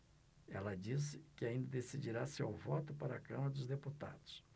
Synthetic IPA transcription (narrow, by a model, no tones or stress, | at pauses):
ɛlɐd͡ʒisɪkɪaĩnd̪ɐd̪esid͡ʒiɾasewvɔt̪ʊpaɾɐakɐ̃mɐɾɐd̪ʊzd̪eput̪a̰d̪ʊs